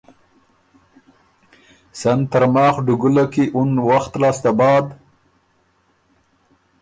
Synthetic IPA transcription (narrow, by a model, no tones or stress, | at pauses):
sant̪aɾmɑːxɖʊɡʊlakiʔunwaxt̪lɑːst̪abɑːd̪